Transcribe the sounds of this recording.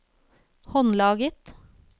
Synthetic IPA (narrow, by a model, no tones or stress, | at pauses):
hɔnlɑːɡət̪